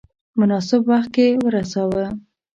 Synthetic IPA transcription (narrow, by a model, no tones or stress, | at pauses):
mʊnɑsɪbwaxt̪̚kewəɾasɑwə